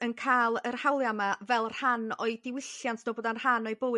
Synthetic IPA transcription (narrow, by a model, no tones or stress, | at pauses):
ənkʰaːlˠərhawlˠjamavɛlˠr̥hanɔɨdɪwɪɬjantʰnoːboːdanrhanɔjbow